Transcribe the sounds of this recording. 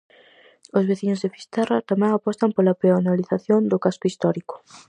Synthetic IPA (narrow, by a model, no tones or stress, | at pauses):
ozβeθiɲʊzðefi̥st̪arat̪amɛ̃ŋapɔst̪ɐmpolapeanaliθaθjond̪ʊkaskʊist̪ɔɾikʊ̥